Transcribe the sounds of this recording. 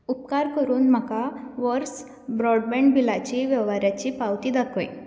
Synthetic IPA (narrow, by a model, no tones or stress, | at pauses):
up̚kaɾkəɾuːnm̤əkaʋɔɾs | bɾɔɖbɛ̃ɳɖbilat͡ɕiʋjɛʋaɾjat͡ɕiːpawt̪iːd̪akʰõĩ